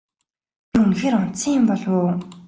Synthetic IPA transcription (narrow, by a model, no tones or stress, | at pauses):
unxeːɾɔn̥tsĭŋjɪmpɔɮwoː